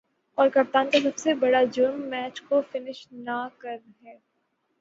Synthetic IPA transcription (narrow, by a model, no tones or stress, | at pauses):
ɔːɾkɐp̚t̪ãːnk̪asɐbsebɐɽad͡ʒʊɾmːɛːt͡ʃkofɪnɪʃnakɐɾɦɛː